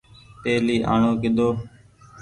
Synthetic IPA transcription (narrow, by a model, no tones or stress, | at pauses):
p̪eːliːʔaːɳoːkɪd̪oː